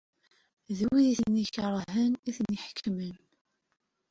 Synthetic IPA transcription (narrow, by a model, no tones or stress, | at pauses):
ðəwiðiθənːiçəɾˤəɦəniθəniħə̥kʰːmən